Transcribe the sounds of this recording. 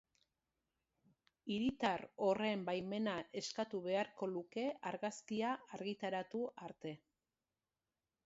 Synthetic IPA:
iɾit̪aro̞re̞mbajme̞naʔe̞skat̪uβe̞aɾko̞luke̞aɾɣaskiaaɾɣit̪aɾat̪uaɾt̪e̞

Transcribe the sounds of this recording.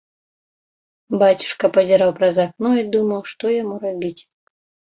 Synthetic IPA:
bat͡sʲu̥ʂkɐpɐzʲiɾawpɾɐzaknɔid̪umɐwʂt̪ɔjamuɾabʲit͡sʲ

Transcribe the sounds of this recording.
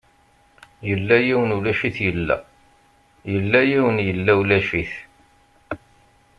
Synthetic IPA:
jəlːæjiwənulæʃiθjəlːæ̰ | jəlːæjiwənjəlːæwlæʃiθ

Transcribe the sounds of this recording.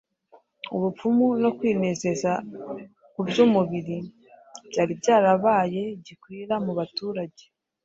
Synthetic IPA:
uβup͡fumuno̞kwiːne̞ze̞za | kubjuːmuβiɾi | b̥ɟaːɾibɟaːɾaβaːje̞ɟikwiːɾamuβatuːɾaɟe

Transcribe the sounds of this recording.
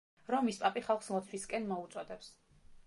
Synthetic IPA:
ɾɔmːispʼapʼiχalˠχsmɔt̪sʰwiskʼɛnmɔut̪sʼɔd̪ɛps

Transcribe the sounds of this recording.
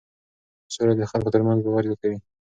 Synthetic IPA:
soɾad̪əxalkot̪əɾmanzɡowɑɾɪd̪akawi

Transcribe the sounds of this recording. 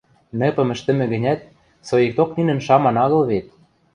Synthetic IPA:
nɘ̆pɤ̆mɘ̆ʃt̪ɘ̆mɘ̆ɣɘ̆nʲæt̪̚ | sojek̚t̪okninɘ̆nʃɑmɑnɑɣɤ̆lβet̪̚

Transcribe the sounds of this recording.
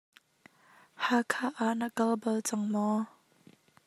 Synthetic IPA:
hakʰaʔaʔnakɐlbɐlt͡sɐŋmɔ

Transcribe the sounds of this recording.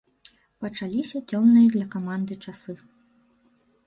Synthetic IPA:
pɐt͡ʂalʲisʲɐt͡sʲɔmnɨjɐd̪lʲɐkamand̪ɨt͡ʂasɨ

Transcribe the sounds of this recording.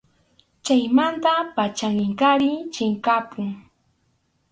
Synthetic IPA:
t͡ʃajmant̪apat͡ʃaŋɪŋkaɾɪt͡ʃɪŋkapʊŋ

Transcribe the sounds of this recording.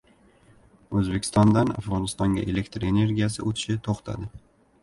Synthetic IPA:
ɵzbe̞kʲʰɪ̥st̪ɒnd̪ana̰fʁɒnɪst̪ɒŋɡʲa̰ʔele̞kt̪ɾe̞ne̞ɾɡʲijas̬ɪɵt̪ʰɪ̥ʃɪt̪ʰoχt̪ʰa̰d̪ɪ

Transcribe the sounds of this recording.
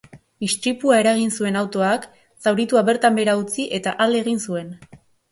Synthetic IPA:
ist̪ɾipuae̞ɾaɣ̞insue̞nawt̪o̞ak | sawɾit̪uaβe̞ɾt̪ambe̞ɾaut͡siʔe̞t̪aʔale̞ɣ̞insue̞n

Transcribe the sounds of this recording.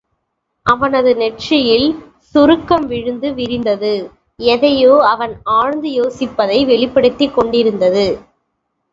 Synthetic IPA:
ʔɐʋɐnɐðɯnɛʈrɪjɪl | sʊɾɯkːɐmʋɪɻɯnd̪ɯʋɪɾɪnd̪ɐðɯ | ɛðɐjoːɐʋɐnaːɻnd̪ɯjoːsɪpːɐðɐɪʋɛɭɪpːɐɽɯt̪ːɪkːɔɳɖɪɾɯnd̪ɐðɯ

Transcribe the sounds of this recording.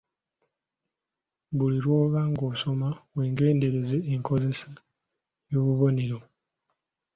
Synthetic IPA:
βuliɾwo̞ːβaŋɡo̞ːso̞maβweːŋɡe̞ːnde̞ɾeze̞ːŋkʰo̞ze̞sa | jo̞ːβuβo̞ne̞ɾo̞

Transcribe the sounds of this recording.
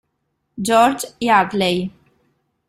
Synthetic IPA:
d͡ʒɔːɾd͡ʒjaːd̪lej

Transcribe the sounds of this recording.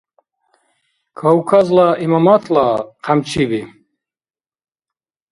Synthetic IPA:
kʰawkʰazlaimamat̪ʰlaqʰamt͡ʃʰibi

